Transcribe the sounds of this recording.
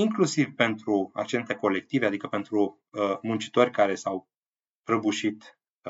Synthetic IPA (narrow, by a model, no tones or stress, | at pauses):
iŋklusivpe̞nt̪ɾua̰kt͡ʃe̞nt̪e̞ko̞le̞k̚t̪ive̞ad̪ikəpe̞nt̪ɾu | əmunt͡ʃi̥t̪o̞rʲkaɾe̞saw | pɾəbuʃit̪